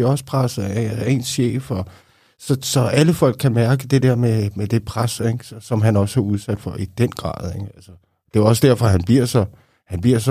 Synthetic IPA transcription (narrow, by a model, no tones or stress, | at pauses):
iɒ̽sə̥pʰʁɑsð̩ˠeːnsɕḛːfɒ̽ | sɒ̽sɒ̽ʔæləfɒ̽l̰ɡ̥̚kʰːæmæɐɡ̥əd̥e̝d̥eɐ̰memed̥e̝pʰʁaseɡ̥sɒsɒ̽mɦænɒ̽sæuð̞ˠsæd̥fɒ̽ʔid̥enɡ̥ʁɑ̰̈ːð̞ˠeɡ̥ælsə | d̥e̝ɒ̽s̬d̥æɐfɒ̽ɦænb̥iɐ̰sɒ̽ | hænb̥iɐ̰s